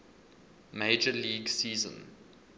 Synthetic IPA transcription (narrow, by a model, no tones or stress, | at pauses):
meɪd͡ʒəliːɡsiːzə̰̃n